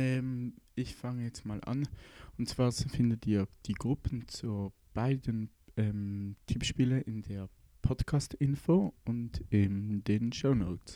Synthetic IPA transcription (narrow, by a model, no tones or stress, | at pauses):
ʔɛːmɪçfaŋəjɛt͡stmaːlʔa̰nʊntt͡sv̥aːɐfɪndətiːɐd̥iːɡʁʊpʰən̩t͡suː | b̥aɪdənʔɛːmtʰypʃpiːləʔɪndeːɐ | pʰɔtkʰaːstɪnfoːʊntɪnd̥eːnʃoʊnoʊt͡s